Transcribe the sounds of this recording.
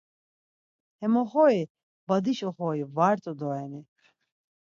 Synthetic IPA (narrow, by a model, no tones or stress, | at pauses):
hɛmɔχɔi | bad̪iʃɔχɔivaɾt̪ʼɔd̪ɔɛni